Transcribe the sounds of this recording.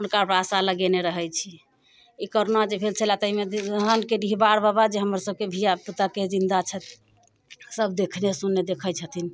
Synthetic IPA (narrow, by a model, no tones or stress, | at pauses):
unkapɾasaləɡɛneɾəɦɛjt͡ʃʰi | ikoɾonad͡ʒepʰelt͡ʃʰəlat̪əɦimeɦənkeɖiɦbaɽbəbad͡ʒeɦəməɾsəb̚kebʱijaput̪aked͡ʒind̪at͡ʃʰɛt̪ | səbʱd̪ekʰnesunːed̪ekʰət͡ʃʰət̪in